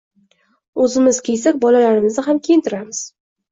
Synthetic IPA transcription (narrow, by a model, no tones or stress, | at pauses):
ɵzɪmɪz̥kʲʰejsakʲbɒlalaɾɪmɪznɪɦamkʲʰejɪnt̪ʰɪɾamɪz̥